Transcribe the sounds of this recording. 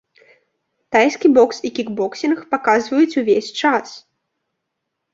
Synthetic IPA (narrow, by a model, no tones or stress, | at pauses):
t̪ajskʲibɔksikʲiɡbɔksʲinxpakazvɐjut͡sʲuvʲesʲt͡ʂas